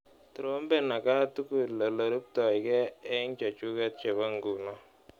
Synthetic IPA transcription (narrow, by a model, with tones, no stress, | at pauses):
tu˨ɾo˦mbe˦na˨ka˦tu˦ku˨lɔ˨lo˨ɾu˦p̚tɔ˨jkɛ˦ɛ˦ŋt͡ʃa˨t͡ʃu˦kɛ˦t̚t͡ʃe˨βa˦ŋɡu˨nɔ˦